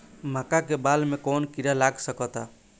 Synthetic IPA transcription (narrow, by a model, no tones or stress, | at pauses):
makakebalmekonkiɾalaɡsəkɔt̪a